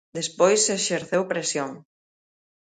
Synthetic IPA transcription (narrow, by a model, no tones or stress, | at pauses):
d̪espojsːeʃeɾθewpɾesjoŋ